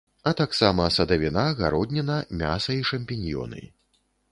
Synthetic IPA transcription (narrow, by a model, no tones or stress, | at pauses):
ɐt̪aksamɐsɐd̪ɐvʲinaɣa̰ɾɔd̪ʲnʲɛnɐmʲa̰sɐiʂɐmʲpʲinʲjɔ̰nɨ̰j